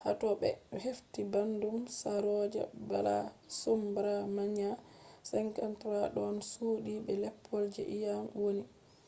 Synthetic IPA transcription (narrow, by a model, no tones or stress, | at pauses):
ha̰tɔɓɛheftibandumsaɾɔd͡ʒa̰bala̰sumbaɾamaɲa | sɛŋkantɾaɗɔnsuːɗiɓɛlɛpʰːɔld͡ʒɛ̰ʔijamwoni